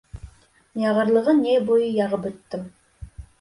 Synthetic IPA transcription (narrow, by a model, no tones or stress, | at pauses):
njɑʁəɾlˠəʁənebojəjɑʁəpɵt̪ːɪm